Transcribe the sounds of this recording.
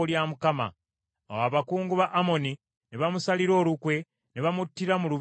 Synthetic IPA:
ljamukama̰ | awaːβakuːŋɡuβaʔːmo̞ni | neβamusaliɾo̞ːlukwe̞ | neβamutːiɾamulu

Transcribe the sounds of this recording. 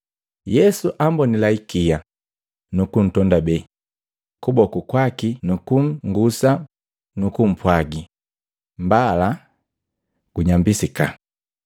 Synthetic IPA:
jɛsuʔambɔnilaikija | nukun̩tɔndabɛ | kubɔkukwakinukum̩ŋɡusa | nukum̩pwaɡi | mbala | ɡ̥uɲambisika̰

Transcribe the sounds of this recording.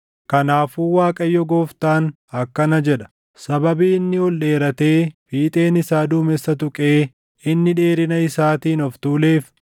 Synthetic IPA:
kɐnaːfuːwaːkʼɐjːɔɡoːft̪aːn | ɐkːɐnɐd͡ʒɛᶑɐ̥ | sɐbɐbiːɪnːɪɔlɗe̞ːɾɐt̪e̞ːfiːt̪ʼe̞ːnɪsaːd̪uːmɛsːɐt̪ʊkʼe̞ː | ɪnːɪᶑe̞ːɾɪnɐɪsaːt̪iːnɔft̪uːle̞ːf

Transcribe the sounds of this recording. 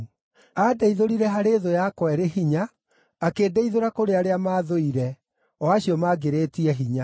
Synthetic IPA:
adeiðoɾiɾɛɦaɾeðojakwɛɾeɦiɲaː | keːdɛiðoɾakoɾeaɾeamaːðoiɾɛ | ɔaɕiɔmaɡeɾetiɛɦiɲa

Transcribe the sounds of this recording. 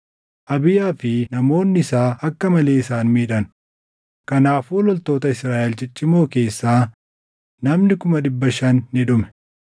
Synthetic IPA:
ʔɐbɪjaːfɪnɐmo̞ːnːɪɪsaːʔɐkːɐmɐle̞ːɪsaːnmiːᶑɐn | kɐnaːfuːlɔlt̪o̞ːt̪ɐɪsɾaːʔɛlt͡ʃɪt͡ʃʼːɪmo̞ːke̞ːsːaː | nɐmnɪkʊmɐɗɪbːɐʃɐnːɪᶑʊmɛ̥

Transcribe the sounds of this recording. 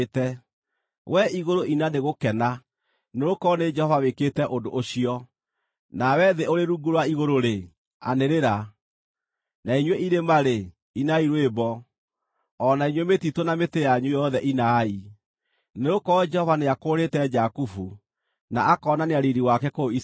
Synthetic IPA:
tɛ | wʔɛiɣoɾoʔinaneɣokɛna | neɾokɔned͡ʒɛhɔvaweketɛʔondoʔoɕiɔ | nawɛðeoɾeɾuɡuɾwaiɣoɾoɾe | a̰neɾeɾa | naiɲweiɾemaɾe | inaiɾwebɔ | ɔnaiɲwɛmetitwonametejaɲujɔðɛʔinai | neɾokɔd͡ʒɛhɔvaneakoːɾetɛd͡ʒakufu | naakɔːnaneaɾiɾiwakɛkois

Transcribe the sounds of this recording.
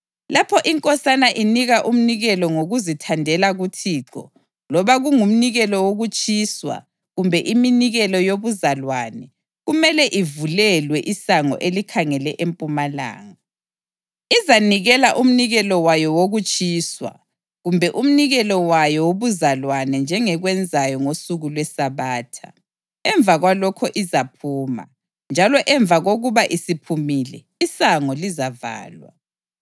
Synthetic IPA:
lapʰɔʔiŋkʼɔsanaʔiniɣaʔum̩niɣɛlɔŋoɣuzitʰandʱɛlaɣutʰiːǁɔ̰ | lɔβaɣuŋum̩niɣɛlɔwoɣut͡ʃʼiːswa̰ | ɣumbʱɛʔiminiɣɛlɔjoβuzalwanɛ | ɣumɛlɛʔivulɛlwɛʔisaŋɔ̰ʔelikʰaŋɛlɛʔempʼumala̰ːŋa | izaniɣɛlaʔum̩niɣɛlɔwajɔwoɣut͡ʃʼiːswa̰ | ɣumbʱɛʔum̩niɣɛlɔwajɔwoβuzalwanɛnd͡ʒʱɛŋɛɣwɛnd͡zʱajɔŋosuɣulwɛsaβaːtʰa̰ | ɛɱvaɣwalɔkʰɔʔizapʰuːma̰ | nd͡ʒʱalɔʔɛɱvʱaɣoɣuβaʔisipʰumiːlɛ̰ | isaŋɔlizava̰ːlwa̰

